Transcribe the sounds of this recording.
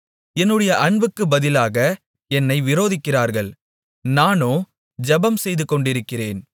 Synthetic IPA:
ɛnːɯɽɐjɐʔɐɳbɯkːɯbɐðɪlaːɣɐ | ɛnːɐɪʋɪɾoːðɪkːɪraːɾɣɐɭ | naːnoː | d͡ʒɐbɐmsɛjðɯkːɔɳɖɪɾɯkːɪreːn

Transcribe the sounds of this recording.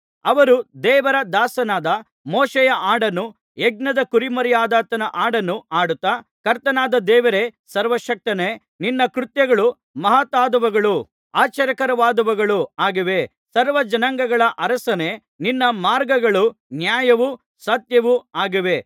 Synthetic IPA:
ɐʋɐɾud̪ɛːʋɐɾɐd̪aːsɐnaːd̪ɐ | mɔːʃejɐʔaːɽɐnːu | eɡ̚nɐd̪ɐkuɾimɐɾjaːd̪aːt̪ɐnɐʔaːɽɐnːuaːɽut̪ːaːkɐɾt̪ɐnaːd̪ɐd̪ɛːʋɐɾesɐɾʋɐʃɐk̚t̪ɐne | ninːɐkɾut̪jɐɡɐɭu | mɐɦat̪aːd̪ɐʋɐɡɐɭu | aːt͡ʃɐɾjɐkɐɾɐʋaːd̪ɐʋɐɡɐɭuaːɡiʋe̞ | sɐɾʋɐd͡ʒɐnɐŋɡɐɡɐɭɐʔɐɾɐsɐne | ninːɐmaːɾɡɐɡɐɭunjaːjɐʋu | sɐt̪jɐʋuaːɡiʋe̞

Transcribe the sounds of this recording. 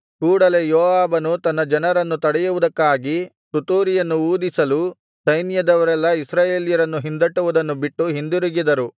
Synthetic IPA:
kuːɽɐle̞jɔːʋaːbɐnut̪ɐnːɐd͡ʒɐnɐɾɐnːut̪ɐɽɛjuʋud̪ɐkːaːɡi | t̪ut̪uːɾijɐnːuuːd̪isɐlu | sɐjnjɐd̪ɐʋɐɾɛlːɐisɾaːjeːlijɐɾɐnːuɦind̪ɐʈːuʋud̪ɐnːubiʈːuɦind̪uɾuɡid̪ɐɾu

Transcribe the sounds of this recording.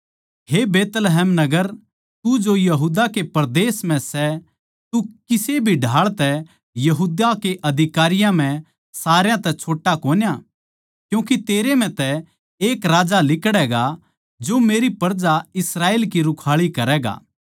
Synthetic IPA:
ɦebeːt̪lɦɛːmnɐɡəɾ | t̪ud͡ʒojɐɦuːd̪akepɐɾd̪eːsmɛ̃sɛ | t̪ukɪsebʱiɖʱaːɭt̪ɛ | jɐɦuːd̪akeʔɐd̪ʱɪkaːɾɪjãm̤ɛ̃ | saːɾjãt̪ɛt͡ʃʰoːʈːakoːnja | kjũːkit̪eːɾem̤ɛ̃t̪ɛ | eːkɾaːd͡ʒalɪkɽɛɡa | d͡ʒomeːɾipɐɾd͡ʒaɪsɾaːeːlkiɾʊkʰaːɭikɐɾɛːɡa̰ː

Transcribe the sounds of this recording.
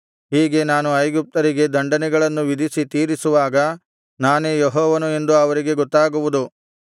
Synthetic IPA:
ɦiːɡe̞naːnuɐjɡup̚t̪ɐɾiɡe̞d̪ɐɳɖɐnɛɡɐɭɐnːuʋid̪ʱisit̪iːɾisuʋaːɡɐ | naːne̞ːjɔɦɔːʋɐnue̞nd̪uɐʋɐɾiɡe̞ɡɔt̪ːaːɡuʋud̪u

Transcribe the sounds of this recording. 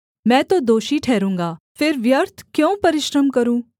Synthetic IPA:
mɛ̃ːt̪od̪oːʃiʈʰɛːɾũːŋɡaː | fʰɪɾʋjəɾt̪ʰkjõːpɐɾɪʃɾəmkɐɾũː

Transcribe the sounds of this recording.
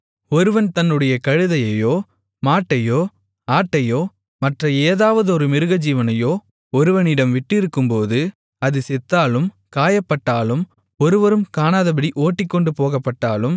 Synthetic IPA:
ɔɾɯʋɐnt̪ɐnːɯɽɐjɐkɐɻɯðɐjɐjoː | maːʈːɐjoː | aːʈːɐjoː | mɐʈrɐeːðaːʋɐðɯɔɾɯmɪɾɯɣɐd͡ʒiːʋɐnɐjoː | ɔɾɯʋɐnɪɽɐmʋɪʈːɪɾɯkːɯmpoːðɯ | ɐðɯsɛt̪ːaːlɯm | kaːjɐpːɐʈːaːlɯm | ɔɾɯʋɐɾɯmkaːnaːðɐbɐɽiʔoːʈːɪkːɔɳɖɯpoːɣɐpːɐʈːaːlɯm

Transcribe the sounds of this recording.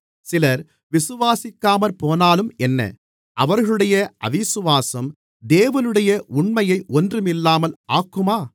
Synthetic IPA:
sɪlɐɾ | ʋɪsɯʋaːsɪkːaːmɐɾpoːnaːlɯmɛnːɐ̰ | ʔɐʋɐɾɣɐɭɯɽɐjɐʔɐ̰ʋɪsɯʋaːsɐm | d̪eːʋɐnɯɽɐjɐʔʊɳmɐjɐɪʔɔndrɯmɪlːaːmɐlaːkːɯmaː

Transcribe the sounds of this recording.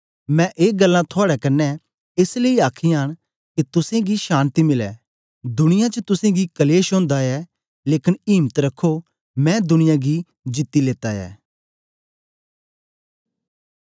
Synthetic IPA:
mɛ̃ʔeːɡəlːãt̪ʰoaːɽɛkɐnːɛ | ɪsleiaːkʰiaːɽ | kit̪ʊsẽɡiʃaːnt̪imɪlɛ̰ː | d̪ʊnɪjãt͡ʃət̪ʊsẽɡikɐleːʃõːnd̪aɛ | leːkɪniːmət̪ɾɐkʰːo | mɛ̃ːd̪ʊnɪjãɡi | d͡ʒɪt̪ːileːt̪aɛ̰ː

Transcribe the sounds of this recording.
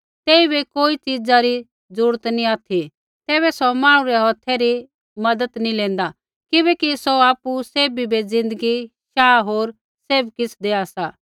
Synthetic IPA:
t̪eːibikoːit͡ʃid͡zaɾi | d͡zuːɽt̪niaːt̪ʰi | t̪ɛːβɛsɔmãːɽ̃uɾɛɦɔːt̪ʰɛɾi | mɐd̪ət̪nilẽːn̆d̪a | kɪbɛkisoaːpuseːbibid͡zɪ̃nd̪əɡi | ʃaːɦoːɾ | seːbkɪsʰd̪eːasa

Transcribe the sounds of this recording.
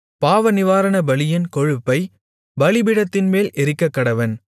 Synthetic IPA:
paːʋɐnɪʋaːɾɐnɐbɐlɪjɐnkɔɻɯpːɐɪ | bɐlɪbɪɽɐt̪ːɪnmeːlɛɾɪkːɐkːɐɽɐʋɐn

